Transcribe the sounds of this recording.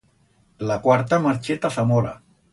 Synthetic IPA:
lakwaɾt̪amaɾt͡ʃet̪asamɔɾa̰

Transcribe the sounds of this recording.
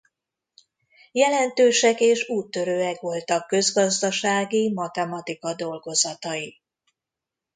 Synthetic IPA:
jɛlɛnt̪øːʃɛkeːʃuːt̪ːø̞ɾøːɛkʋo̞lt̪ɒkːø̞zɡɒzd̪ɒʃaːɡimɒt̪ɛmɒt̪ikɒd̪o̞lɡo̞zɒt̪ɒji

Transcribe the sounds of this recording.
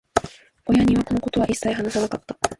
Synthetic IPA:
o̞jaɲ̟iβako̞no̞ko̞t̪o̞βaʔisːaiɦanasanakat̪ːa

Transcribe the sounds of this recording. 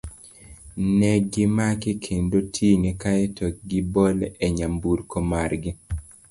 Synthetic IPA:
nɛɡɪmakekʰendotʰiŋekaɛtʰɔk̚ɡɪbɔlɛɲambuɾkomarɡɪ

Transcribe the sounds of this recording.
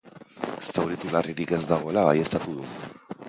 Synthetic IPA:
sawɾit̪ulariɾike̞zd̪aɣ̞o̞e̞laβaje̞st̪at̪uð̞u

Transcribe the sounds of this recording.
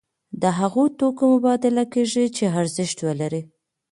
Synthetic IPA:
d̪əɦaɣot̪okomʊbɑd̪ɪlakeʒit͡ʃeaɾzɪʃt̪wəlaɾi

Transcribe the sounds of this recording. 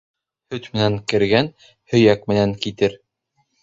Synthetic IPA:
hɵt̪mɘ̆næŋkɘ̆ɾɡæn | hɵ̆jækmɘ̆næŋkit̪ɘɾ

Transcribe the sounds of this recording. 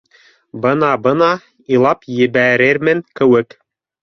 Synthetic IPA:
bɤnɑbɤnɑ | ilˠɑpjɘ̆βæɾɘɾmɘnkɘ̆wɘk

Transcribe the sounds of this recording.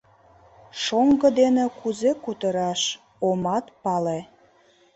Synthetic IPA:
ʃoŋɡɤ̆d̪enekuzekut̪əɾɑʃ | omɑt̪pɑle

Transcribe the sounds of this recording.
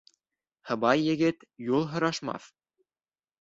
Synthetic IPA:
hɤ̆βɑjːɘ̆ɡɘt̪julˠɦɤ̆ɾɑʃmɑ̰θ

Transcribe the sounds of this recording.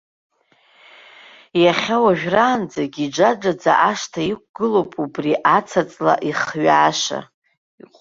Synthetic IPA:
jaχʲawaʒᶣraːnd͡zaɡʲid͡ʒad͡ʒad͡za̰ʔaʂtʰaik̚ʷʰɡ̥ɨlowpʼubriʔat͡sʰat͡sʼla̰ʔiχɥaːʂa̰ | qʼ

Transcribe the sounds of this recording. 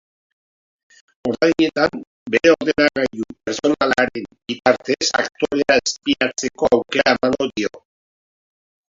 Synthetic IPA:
o̞ɾðajɲe̞t̪am | be̞ɾe̞o̞ɾðenaɣajðupeɾso̞nalaɾe̞mbit̪aɾt̪e̞sa̰k̚t̪o̞ɾe̞aespiat͡se̞ko̞awke̞ɾaemaŋɡo̞ðio̞̰

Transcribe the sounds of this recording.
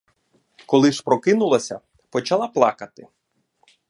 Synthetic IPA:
kɔlˠɪʃpɾɔkɪnʊlˠɐsʲɐ̰ | pɔt͡ʃɐlˠɑplˠɑ̰kɐt̪ɪ

